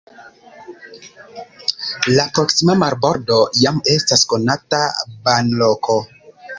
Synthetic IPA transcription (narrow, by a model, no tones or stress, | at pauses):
lapɾo̞ksimamaɾbo̞ɾdo̞jame̞stasko̞natabanlokʰo̞